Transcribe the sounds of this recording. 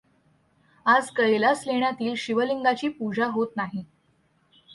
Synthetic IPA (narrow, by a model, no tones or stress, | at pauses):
ad͡zkəjlasleɳ̃jat̪iːlɕiʋəliŋɡat͡ɕiːpud͡ʑʱaɦot̪naɦi